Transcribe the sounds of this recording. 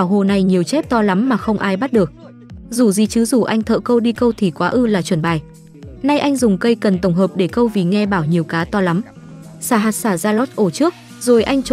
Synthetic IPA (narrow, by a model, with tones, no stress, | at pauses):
ɓaː˧˩wɦo˧˨˩na˨˩jɲi˨˩əwt͡ɕɛ˦˥p̚t̪ɔ˧la˨˦mːaː˨˩xə˧wŋ͡mʔaː˧jɓa˦˥t̚ɗɨ˨˩ək̚ | zu˧˩zi˨˧˩t͡ɕɨ˨˦zu˧˩ʔa˧jŋt̪ʰə̰˧˨kə˧wɗi˧kə˧wt̪ʰi˨˩kwaː˨˦ʔɨ˧laː˨˩t͡ɕwə˧˩nɓaː˨˩j | na˧jʔa˧jŋzʊ˨˩ŋ͡mkə˧jkə˨˩nt̪ə˧˩wŋ͡mɦəː˨˩p̚ɗe˧˩kə˧wvi˨˩ŋɛ˧ɓaː˧˩wɲi˨˩əwkaː˨˦t̪ɔ˧la˨˦m | saː˧˩ɦaː˨˩t̚saː˧˩zaː˧lo˦˥t̚ʔo˧˩t͡ɕɨ˦˥ək̚ | zo˨˩jʔa˧jŋ̟t͡ɕ